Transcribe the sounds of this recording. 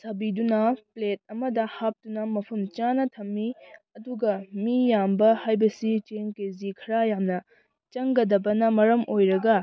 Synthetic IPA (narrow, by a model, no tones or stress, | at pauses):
sɐbidunɐplet̚ɐmɐdɐhap̚tunɐmɐpʰɐmt͡ʃanɐtʰɐmːiɐduɡɐmijambɐhajbɐsit͡ʃeŋkezikʰɐɾajamnɐ | t͡ʃɐŋɡɐdɐbɐnɐmɐɾɐmʔojɾɐɡɐ